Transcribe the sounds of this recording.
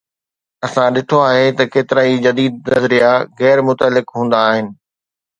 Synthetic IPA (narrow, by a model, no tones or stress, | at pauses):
ɐsãɗɪʈʰoaːɦet̪ɐkeːt̪ɪɾaːid͡ʑɐd̪iːd̪̚nɐzɾijaɣɛːɾmʊt̪əlːɪkɦũːn̆d̪aːɦɪnɪ̆